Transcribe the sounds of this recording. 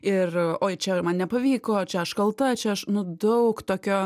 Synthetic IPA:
ɪroːjt͡ʃʲɛmɐnnʲɛpɐʋʲiːkoːt͡ʃʲɛɐʃkɐlˠt̪ɐt͡ʃʲɛɐʃnʊd̪ɐʊkt̪oːkʲoː

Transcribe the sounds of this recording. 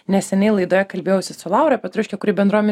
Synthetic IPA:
nʲɛssʲɛnʲɛɪlˠɐɪd̪oːjɛkɐlʲbʲeːjɛʊsʲɪsʊlˠɑˑʊɾɐpʲɛt̪ɾʊʃʲkʲɛkʊɾʲiːbʲɛnd̪ɾuɔmʲɛ

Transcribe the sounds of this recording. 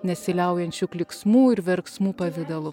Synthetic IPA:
nʲɛsʲɪlʲɛʊjɛnʲt͡ʃʲuklʲɪksmuːɪɾʋʲɛɾksmuːpɐʋʲɪd̪ɐlˠʊ

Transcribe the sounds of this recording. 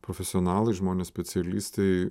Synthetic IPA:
pɾofʲɛsʲɪɔnɑːlˠɐɪʒmoːnʲeːsʲpʲɛsʲɛlʲiːsʲt̪ʲɛɪ

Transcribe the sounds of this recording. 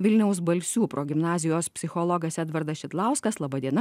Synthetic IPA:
ʋʲɪlʲnʲɛʊs̬bɐlʲsʲuːpɾoːɡʲɪmnɑːzʲɪjoːspʲsʲɪxoːlˠɔɡɐsɛd̪ʋɐɾd̪ɐsʃʲɪt̪lˠɑˑʊskɐslˠɑːbɐd̪ʲiɛnɐ

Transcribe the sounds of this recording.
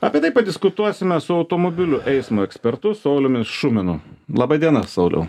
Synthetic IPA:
ɐpʲiɛt̪ɐɪpɐd̪ʲɪskʊt̪uɔsʲɪmʲɛsʊɐʊt̪oːmoːbʲɪlʲʊʔɛɪsmoːɛksʲpʲɛɾt̪ʊsɐʊlʲʊmʲɪsʃʊmʲɪnʊlˠɑbɐd̪ʲiɛnɐsɐʊlʲɛ̰ʊ

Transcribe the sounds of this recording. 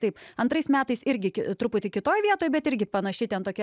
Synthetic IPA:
t̪ɐɪpɐnt̪ɾɐɪsmʲæːt̪ɐɪsɪɾʲɡʲɪkʲɪt̪ɾʊpʊt̪ʲɪkʲɪt̪oːjʋʲiɛt̪oːjbʲɛt̪ɪɾʲɡʲɪpɐnɐʃʲɪt̪ʲɛnt̪oːkʲɛ

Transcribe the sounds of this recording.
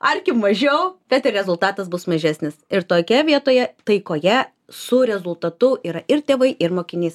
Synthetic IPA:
ɐrʲkʲɪmɐʒʲɛʊb̥ʲɛt̪ɪrɾʲɛzʊlˠt̪ɑːt̪ɐsbʊsmɐʒʲæːsʲnʲɪsɪɾt̪oːkʲɛʋʲiɛt̪oːjɛt̪ɐɪkoːjɛ | sʊɾʲɛzʊlˠt̪ɐt̪ʊiːɾɐʔɪrt̪ʲeːʋɐɪʔɪrmoːkʲɪnʲiːs

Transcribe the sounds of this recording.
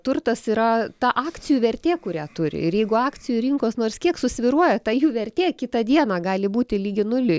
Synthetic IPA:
t̪ʊrt̪ɐsiːɾɐt̪ɑʔɑːkt͡s̪ʲɪjuːʋʲɛrʲt̪ʲeːkʊɾʲæːt̪ʊɾʲɪ̰ɪrjɛɪɡʊɑːk̪t͡s̪ʲɪjuɾʲɪŋkoːsnoːrskʲiɛksʊsʲʋʲɪɾuɔjɛt̪ɑːjuːʋʲɛrʲt̪ʲeːkʲɪt̪ɑd̪ʲiɛnɑːɡɑːlʲɪbuːt̪ʲɪlʲiːɡʲɪnʊlʲɪ

